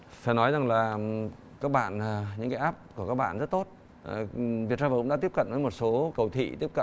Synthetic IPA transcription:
faː˧˩nɔ˨˦jza˨˩ŋlaː˨˩ | kaː˦˥k̚ɓa̰ː˧˨nː˨˩ɲɨ̰˧ŋkaː˨˦jʔaː˦˥p̚kəkaː˦˥k̚ɓa̰ː˧˨zə˦˥t̚t̪o˦˥t̚ | vi˨˩ət̚saː˧vaː˨˩kɗaː˧˥i˦˥p̚kə˧˨nvəː˨˦mo˨˩t̚so˨˦kə˨˩wt̪ʰḭ˧˨t̪i˦˥əkə̰˧˨n

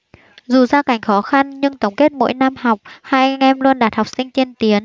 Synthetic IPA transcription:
zu˨˩zaː˧ka˨˩jŋ̟xɔ˨˦xa˧nɲɨ˧ŋt̪ə˨˦wŋ͡mke˦˥t̚mo̰˧˥jna˧mha˨˩wk͡p̚ha̰ː˧˥jŋɛ˧mlu˧ənɗaː˨˩t̚ha˨˩wk͡p̚sï˧ŋ̟t͡ɕi˧ənt̪i˨˦ən

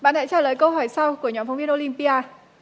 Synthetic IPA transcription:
ɓa̰ː˧˨nɗa̰ː˧˥t͡ɕaː˧˩ləː˨˩jkə˧wɦɔ˧˩jsa˧wku˧˩əɲɔ˨˦nfa˨˧wŋ͡mvi˧ənʔo˧li˧mpi˧ʔaː˧

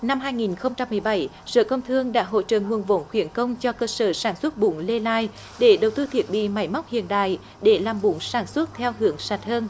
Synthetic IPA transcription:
na˧mɦaː˧jŋi˨˩nxə˧wŋ͡mt͡ɕa˧mːɨ˨˩əjɓa˨˩˦j | sə̰ː˧˩kə˧wŋ͡mt̪ʰɨ˧əŋɗa̰ː˧˥ɦo̰˧˥t͡ɕə̰ː˧˨ŋu˨˩ənvo̰˧˦nxwi˧˩ənkə˧wŋ͡mt͡ɕɔ˧kəː˧səː˧˩saː˧˩nswə˦˥t̚ɓʊ˧˦ŋ͡mle˧laː˧j | ɗe˧˩ɗə˨˩wt̪ɨ˧t̪ʰi˨˩ət̚ɓḭ˧˨ma˧˩˦jma˦˥wk͡p̚hḭ˧˨ənɗa̰ː˧˨j | ɗe˧˩laː˨˩mɓʊ˧˦ŋ͡msaː˧˩nswə˦˥t̚t̪ʰɛ˧wɦɨ˧˦əŋsa˨˩jt̟̚həː˧n

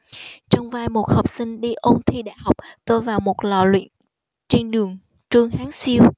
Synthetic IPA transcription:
t͡ɕɔ˧wŋ͡mvaː˧jmo˨˩t̚ha˨˩wk͡p̚sï˧ŋ̟ɗi˧ʔo˧mt̪ʰi˧ɗa̰ː˧˨jha˨˩wk͡p̚t̪o˧jvaː˨˩wmo˨˩t̚lɔ̰˧˨˩lwḭ˧˨ən | t͡ɕe˧nɗɨ˨˩əŋ | t͡ɕɨ˧ŋhaː˨˦ŋsi˧əw

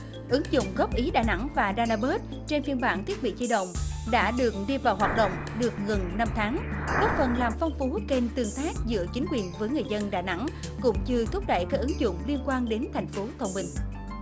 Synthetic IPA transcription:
ʔɨ˨˦ŋzʊ̰˧˨ŋ͡mɣɔ˦˥p̚ʔi˨˦ɗa̰ː˧˩jna̰˧˥ŋvaː˨˩ɗaː˧naː˧ɓə˦˥t̚ | t͡ɕe˧nfi˧ənɓaː˧˩nt̪ʰi˦˥ət̚ɓḭ˧˨t͡ɕi˧ɗə̰˧˨wŋ͡mɗa̰ː˧˥ɗɨ˨˩ək̚ɗi˧vaː˨˩wɦwaː˨˩t̚ɗə̰˧˨wŋ͡m | ɗɨ˨˩ək̚ɣə˨˩nna˧mt̪ʰaː˨˦ŋɗə˦˥k͡p̚fə˨˩nlaː˨˩mfɔ˧wŋ͡mfu˨˦ke˧˩nt̪ɨ˨˩əŋt̪aː˦˥k̚zɨ̰˧˥ət͡ɕï˨˦ŋ̟kwi˨˩ənvəː˨˦jŋɨ˨˩əjzə˧nɗa̰ː˧˨˩jna̰˧˥ŋ | kʊ̰˧˥ŋ͡mt͡ɕɨ˧t̪ʰʊ˦˥k͡p̚ɗə̰˧˨jkaː˦˥k̚ʔɨ˨˦ŋzʊ̰˧˨ŋ͡mli˧ənkwaː˧nɗe˨˦nt̪ʰa˨˩jŋ̟fo˨˦t̪ʰə˧wŋ͡mɓï˧˩ŋ̟

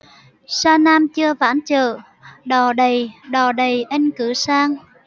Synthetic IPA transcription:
saː˧naː˧mt͡ɕɨ˧əvaː˧˥˦nt͡ɕə̰ː˧˨ | ɗɔ˨˩ɗə˨˩jɗɔ˨˩ɗə˨˩jʔə˧jŋkɨ˧˩˦saː˧ŋ

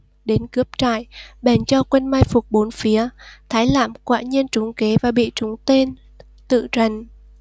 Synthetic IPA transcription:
ɗe˨˦nkɨ˦˥əp̚t͡ɕa̰ː˧˨jɓɛ˨˩nt͡ɕɔ˧kwe˧nmaː˧jfʊ˨˩k͡p̚ɓo˨˦nfi˨˦ət̪ʰaː˨˦jla̰ː˧˨mkwa̰ː˧˨ɲi˧ənt͡ɕʊ˨˦ŋ͡mke˨˦vaː˨˩ɓḭ˧˨t͡ɕʊ˨˦ŋ͡mt̪e˧n | t̪ɨ̰˧˨zə˨˩n

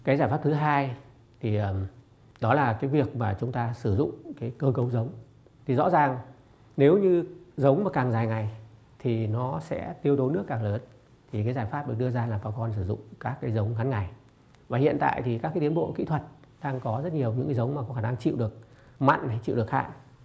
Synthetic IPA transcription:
kaː˨˦jzaː˧˩jfaː˦˥p̚t̪ʰɦaː˧j | t̪ʰi˨˩ʔəː˨˩ | ɗɔ˨˦laː˨˩kaː˨˦jvi˨˩ək̚maː˨˩t͡ɕʊ˨˦ŋ͡mt̪aː˧sɨ˧˩zʊ̰˧˨ŋ͡mkaː˨˦jkəː˧kə˨˦wzə˨˦wŋ͡m | t̪ʰi˨˩zɔ̰˧˥zaː˨˩ŋ | ne˨˦wɲɨ˧zə˨˦wŋ͡mmaː˨˩kaː˨˩ŋzaː˨˩jŋa˨˩j | t̪ʰi˨˩nɔ˨˦sɛ̰˧˥t̪i˧əwt̪o˨˦nɨ˦˥əkːaː˨˩ŋləː˨˦n | t̪ʰi˨˩kaː˨˦jzaː˨˩jfaː˦˥p̚ɗ̚ɗɨ˧əzaː˧laː˨˩ɓaː˨˦wkɔ˧nsɨ˧˩zʊ̰˧˨ŋ͡mkaː˦˥kːaː˨˦jzə˨˦wŋ͡mɣa˨˦nŋa˨˩j | vaː˨˩hḭ˧˨ənt̪a̰ː˧˨jt̪ʰi˨˩kaː˦˥kːti˨˦nɓo̰˧˨kḭ˧˥t̪ʰə˨˩t̚ | ɗaː˧ŋkɔ˨˦zə˦˥t̚ɲi˨˩əwɲɨ̰˧˥ŋkaː˨˦jzə˨˦wŋ͡mma˨˩kɔ˨˦xaː˧˩na˧ŋt͡ɕḭ˧˨wɗɨ˨˩ək̚ | ma̰˧˨ŋna˨˩jt͡ɕḭ˧˨wɗɨ˨˩ək̚ha̰ː˧˨j

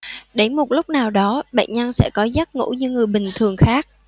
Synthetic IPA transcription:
ɗe˧˩mo˨˩t̚lʊ˦˥k͡p̚naː˨˩wɗɔ˨˦ɓa̰ː˧˨nɲə˧nsɛ̰˧˥kɔ˨˦za˦˥t̚ŋṵ˧˥ɲɨ˧ŋɨ˨˩əjɓï˨˩ŋ̟t̪ʰɨ˨˩əŋxaː˦˥k̚

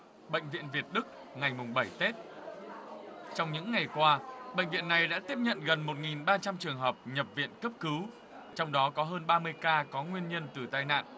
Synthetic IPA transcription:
ɓə̰˧˨ŋ̟vḭ˧˨ənvi˨˩ət̚ɗɨ˦˥k̚ | ŋa˨˩jmʊ˨˩ŋ͡mɓə˧˩jt̪e˦˥t̚ | t͡ɕɔ˧wŋ͡mɲɨ̰˧˥ŋːa˨˩jkwaː˧ɓə̰˧˨ŋ̟vḭ˧˨ənːa˨˩jɗa̰ː˧˥t̪i˦˥p̚ɲə̰˧˨nɣə˨˩nmo˨˩t̚ŋi˨˩nɓaː˧t͡ɕa˧mt͡ɕɨ˨˩əŋɦəː˨˩p̚ɲə˨˩p̚vḭ˧˨ənkə˦˥p̚kɨ˨˦w | t͡ɕɔ˧wŋ͡mɗɔ˨˦kɔ˨˦ɦəː˧nɓaː˧mɨ˧əjkaː˧kɔ˨˦ŋwi˧ənɲə˧nt̪ɨ˨˩t̪aː˧jna̰ː˧˨nʔ

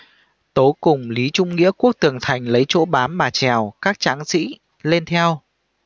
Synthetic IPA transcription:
t̪o˨˦kʊ˨˩ŋ͡mli˨˦t͡ɕʊ˧ŋ͡mŋḭ˧˥əku˦˥ək̚t̪ɨ˨˩əŋt̪ʰa˨˩jŋ̟lə˨˦jt͡ɕo̰˧˥ɓaː˨˦mːaː˨˩t͡ɕɛ˨˩wkaː˦˥k̚t͡ɕaː˨˦ŋsḭ˧˥ | le˧nt̪ʰɛ˧w

